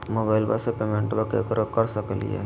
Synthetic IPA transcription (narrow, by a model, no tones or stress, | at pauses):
moːbaːɪlbasepemẽɳʈbəkekɾəkəɾsəkəlḭɦɛ̰ː